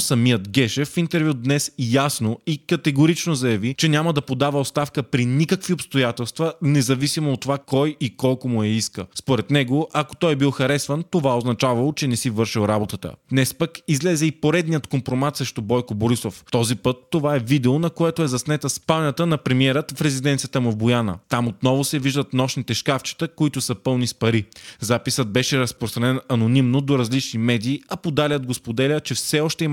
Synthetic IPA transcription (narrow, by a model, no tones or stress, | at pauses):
sɐmijət̪ɡɛʃɛfint̪ɛɾvjud̪nɛsjasnoikɐt̪ɛɡoɾit͡ʃnozɐjɐvit͡ʃɛnʲaməd̪ɐpod̪avɐot̪st̪afkəpɾinikəkviopst̪ojat̪ɛlˠst̪vənɛzɐvisimoːt̪ːovakɔjikɔlˠkomuɛiskə̰spoɾɛt̪nɛɡoʔɐko̥t̪ɔjɛbilˠxɐɾɛsvənt̪ovaoznɐt͡ʃavɐlˠot͡ʃɛnɛsivɤɾʃilˠɾabot̪ət̪ə̰d̪nɛspəkizlɛzɛipoɾɛd̪nijət̪kompɾomat̪sɾɛʃt̪obɔjkoboɾisoft̪ɔzipɤt̪ːovaɛvid̪ɛonɐkoɛt̪oɛzɐsnɛt̪əspanʲɐt̪ənɐpɾɛmiɛɾət̪fɾɛzid̪ɛnt̪sijət̪əmʊvbojanə̰t̪amot̪nɔvʊsɛviʒd̪ət̪nɔʃnit̪ɛʃkaft͡ʃi̥t̪əkoit̪ʊsəpɤlˠnispɐɾizapisəd̪̚bɛʃɛɾɐspɾost̪ɾɐnɛnɐnonimnod̪oɾɐzlit͡ʃnimɛd̪iːɐpod̪alʲəd̪̚ɡospod̪ɛlʲət͡ʃɛfsɛɔʃt̪ɛim